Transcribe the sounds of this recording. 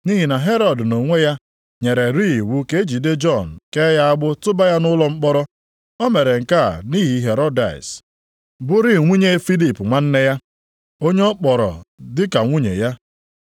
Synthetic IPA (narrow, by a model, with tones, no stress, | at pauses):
ni˦ɦi˨na˨ɦe˦ɾɔ˨dno˨ŋʷe˦ja˦ | ɲe˨ɾe˨ɾi˦˨wu˦ke˦e˦d͡ʒi˨de˦d͡ʒɔ˦˨n̩˨ke˦ja˦a˦ɡ͡bʊ˦tʊ˦ba˦ja˦nʊ˦lɔ˦ŋ͡m̩˦k͡pɔ˦ɾɔ˦ | ɔ˦me˨ɾe˨ŋ̩˨ka̰˦˨ni˦ɦi˨˦ɦe˨ɾɔ˦da̰˨s | bʊ˦ɾi˦˨ŋʷu˦ɲe˦fi˦li˨pŋʷa˦n̩˦ne˦ja˦ | o˦ɲe˦ɔ˦k͡pɔ˨ɾɔ̰˨dɪ˦ka˨ŋʷu˦ɲḛ˨ja˦